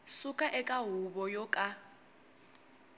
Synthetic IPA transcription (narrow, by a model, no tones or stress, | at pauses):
sukʼaʔɛkʼaɦubɔjɔkʼa